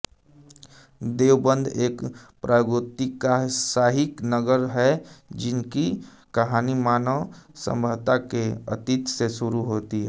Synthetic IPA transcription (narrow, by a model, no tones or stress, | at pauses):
d̪eːwbə̃nd̪ʱeːkpɾʔaːɡɾʊt̪ikasaːɦɪknəɡəɾɦɛd͡ʒɪnki | kɐɦaːnimaːnəʋsə̰̃mbʱəʋt̪akeə̰t̪it̪sesʊɾuɦoːt̪iɦɛ